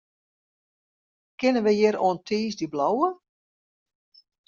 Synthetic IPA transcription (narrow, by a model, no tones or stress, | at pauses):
kɪnənʋəjɪɾoəntʰiːsdiblɔwə